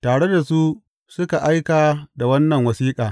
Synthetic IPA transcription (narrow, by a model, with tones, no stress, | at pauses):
taː˨ɽe˦da˨su˦ | sʊ˦ka˨ʔa˦jkaː˨da˨wɐ˦nːɐ˨ŋwɐ˨siː˦kʼaː˨